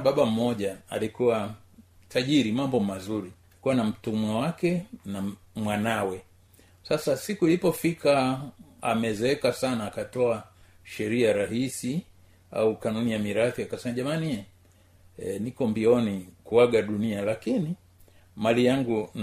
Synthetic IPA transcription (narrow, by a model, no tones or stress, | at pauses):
ɓaɓam̩ːɔʄaa̰likuwa | taʄiɾimambɔmazuɾi | kuwanam̩tumwawakɛna | mwanawɛ | sasasikuilipɔfikʰa | a̰mɛzɛɛkasanaːkatɔa | ʃɛɾiaɾaɦisi | a̰ukanunijamiɾaθiakasɛmaʄamaniɛ | ɛnikɔmbiɔnikuwaɠaɗunialakini | malijaŋɡun